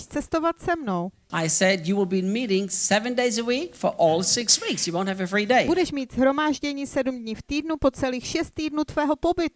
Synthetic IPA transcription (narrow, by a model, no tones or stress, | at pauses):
ʃt͡sɛst̪o̞vat̪sɛmno̞w | ʔaɪsɛdjɨwɪlˠbimiɾɪ̃ŋsɛvɨ̃ndeɪzəwikfə˞ʔɔlˠsɪkswiksjɨwõʊ̃nthɨvɨfɹideɪbudɛʃmiːt̪z̥ɦɾo̞maːʒɟɛɲiːsɛdumdɲɪft̪iːdnupo̞t͡sɛliːxʃɛst̪ːiːdnut̪vɛːɦo̞po̞bɪt̪u